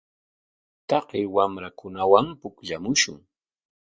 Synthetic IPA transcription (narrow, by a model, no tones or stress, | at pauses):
t̪ɑqewamɾakʊnawampʊkʎamʊʃʊ̰ŋ